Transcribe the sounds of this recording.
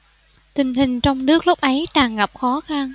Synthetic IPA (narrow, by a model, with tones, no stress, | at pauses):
t̪ï˨˩ŋ̟ɦï˨˩ŋ̟t͡ɕɔ˧wŋ͡mnɨ˦˥ək̚lu˦˥k͡p̚ʔə˨˦jt̪aː˨˩ŋɣa˨˩p̚xɔ˨˦xa˧n